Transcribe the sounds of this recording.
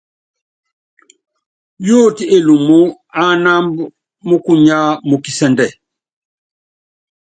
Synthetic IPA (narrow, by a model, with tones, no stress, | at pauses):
jo˦ti˨e˨lu˨mu˦ | a˦na˦mb | mu˦ku˦ɲa˦mu˨ki˨sɛ˨ndɛ˨